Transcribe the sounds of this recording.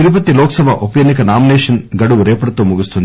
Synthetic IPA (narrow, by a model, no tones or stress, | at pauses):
t̪iɾup̬ɐt̪ːilɔːkɐsɐbʱɐʔupɐjɐnikɐnaːmineːʂɐnɡɐɽuʋɾɛːpɐɽɐt̪oːmuɡust̪und̪